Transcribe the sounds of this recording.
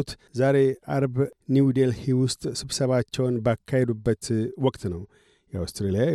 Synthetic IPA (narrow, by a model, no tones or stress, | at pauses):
t̪zaɾe̞ʔaɾbniwd̪elhewʊst̪ʼsɨβsəβat͡ʃːɛwnbakʰːahed̪ubːət̪wɔkʼt̪nəw | jɛa̰wst̪ɾelija